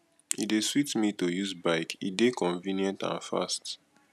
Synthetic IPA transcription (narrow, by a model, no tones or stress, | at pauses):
ideswitmitojuzbaɪkḭdekʰɔ̃ɱvĩnjɛ̃ntã̰nfa̰st